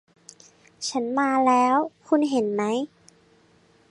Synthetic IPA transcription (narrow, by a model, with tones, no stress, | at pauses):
t͡ɕʰa˦˥nmaː˧lɛː˦˥wkʰu˧nɦe˩˦nma˦˥j